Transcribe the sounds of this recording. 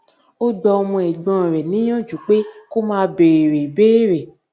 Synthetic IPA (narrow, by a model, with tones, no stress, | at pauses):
o˦dɔ˧o˧mũ˧ɛ˨ɡ͡bɔ̃˨ɾɛ˨nĩ˨˦j̃ɔ̃˦˨d͡ʒu˨k͡pe˦ko˦mãː˧˦˧be˨e˨ɾe˨beː˦ɾe˨